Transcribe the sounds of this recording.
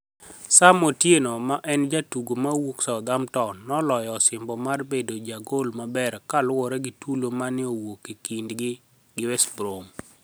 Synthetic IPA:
samotjenomaʔɛnd͡ʒatuɡomawoksaɔd̪amtɔnːɔlɔjɔsɪmbɔmarbedod͡ʒaɡolmabɛɾkalwɔɾɛɡɪtulomanɪowokːikindɡɪ | ɡɪwɛsbɾom

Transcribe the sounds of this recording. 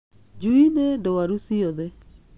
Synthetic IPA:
d͡ʒuinedowaɾusioðe

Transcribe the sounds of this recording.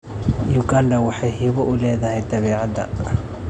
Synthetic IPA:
juɡandɐwɑħɑjɦiːβɔʔʊlɛːðɐhɛjd̪ɐβɛːʕɑd̪ɐ̰

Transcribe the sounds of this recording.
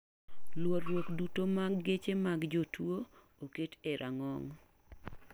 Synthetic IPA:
lwɔrːwokdutomaɡːet͡ʃemaɡd͡ʒotʰwo | oketeɾʔaŋɔŋ

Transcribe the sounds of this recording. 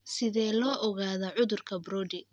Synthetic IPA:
sɪðɛːlɔːʔɔɣaːðɐʕʊðʊrkʰɐbɾɔːd̪ɪ

